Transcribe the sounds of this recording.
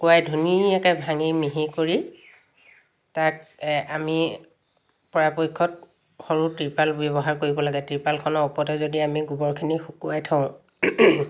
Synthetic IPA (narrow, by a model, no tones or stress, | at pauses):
kuajdʱuniɛkɛbʱaŋimiɦikoɹi | tat̚ami | pɔɹapojkʰːɔt̚ | xɔɹutipalbɔβɔɦaɹkoɹibɔlaɡɛtɹipalkʰɔnɔɔpɔtɛzodiamiɡubɔɹkʰinixukuajtʰãʊ̃